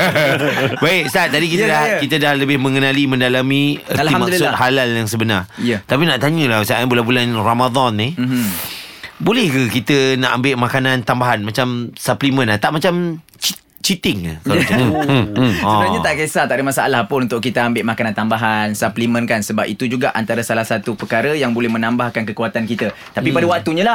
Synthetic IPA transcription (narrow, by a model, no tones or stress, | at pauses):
baɪksat̪adikit̪dakit̪ədahləbɪhmə̃ŋənalimə̃ndalamĩətlimadksʊt̪̚halaljaŋsəbənarijət̪apinaʔt̪aɲəlahsaʔbulanbulanramad̪ɔnːih | bolɛhkəkit̪ənaʔambɪʔmakanãnt̪ambaɦanmat͡ʃamsaplimə̃nat̪aʔmat͡ʃam | t͡ʃi | t͡ʃit̪ɪŋa̰k | ɔsəbaɾaɲat̪aʔkesat̪aʔdəmasaʔlahpʊnunt̪ʊʔkit̪əambɪʔmakanant̪ambaɦansaplimə̃nkansəbapit̪ud͡ʒuɡaʔant̪aɾəsalahsat̪upəkaɾəjaŋbolɛhmə̃nãmbahkankəkuat̪ankit̪ə | t̪apipadawak̚t̪uɲala